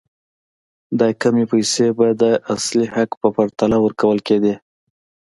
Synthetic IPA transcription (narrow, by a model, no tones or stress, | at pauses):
d̪ɑkamepajsebad̪əʔaslihakpəpaɾt̪alawəɾkawəlked̪i